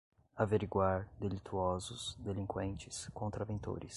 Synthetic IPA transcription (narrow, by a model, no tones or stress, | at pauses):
aveɾiɡwaɾd̪elit̪ʰuɔzʊsd̪elĩŋkwẽnt͡ʃɪskõnt̪ɾavẽnt̪o̰ɾɪ̰s